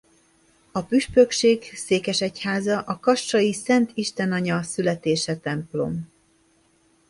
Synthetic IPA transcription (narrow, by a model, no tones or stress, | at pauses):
ɒpyʃpøkʃeːkseːkɛʃɛchaːzɒʔɒkɒʃt͡ʃɒjisɛnt̪iʃt̪ɛnɒɲɒsylɛt̪eːʃɛt̪ɛmplo̞̰m